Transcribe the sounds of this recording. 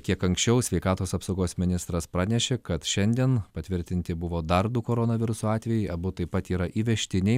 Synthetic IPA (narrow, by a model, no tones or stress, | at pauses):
kʲiɛkɐŋksʲt͡ʃʲɛʊsʲʋʲɛɪkɑːt̪oːsɐpsoʊɡoːsmʲɪnʲɪst̪ɾɐspɾɑːnʲɛʃʲeːkɐt̪ʃʲɛnʲd̪ʲiɛnpɐt̪ʲʋʲɪɾʲt̪ʲɪnʲt̪ʲɪbʊʋoːd̪ɐɾd̪ʊkoːɾoːnɐʋʲɪɾʊsoːɑːt̪ʲʋʲɛjɛɪʔɐbʊt̪ɐɪpːɐt̪iːɾɐʔiːʋʲɛʃʲt̪ʲɪnʲɛɪ